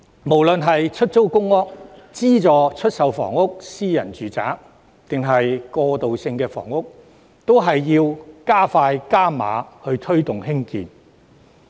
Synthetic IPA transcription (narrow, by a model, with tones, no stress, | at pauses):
mo˨˩wlɵ˨nɦɐ˨jt͡ʃʰɵ˥t̚t͡so˥wkʊ˥ŋːɔː˥k̚t͡siː˥t͡sɔː˨t͡ʃʰɵ˥t̚sɐ˨˧wfɔ̰ː˨˩ŋʊ˥k̚siː˥jɐ˨˩nt͡ʃyː˨t͡sa̰ː˨˥k | t̪ɪ˨ŋɦɐ˨jkɔː˧t̪o˨wsɪ˧ŋkɛː˧fɔ̰ː˨˩ŋʊ˥k̚ | t̪o˥wɦɐ˨jːiː˧wkaː˥faː˧jkaː˥ma̰ː˨˧˥hɵ˧ɥt̪ʰɵ˥ɥt̪ʊ˨ŋɦɪ˥ŋkḭː˨n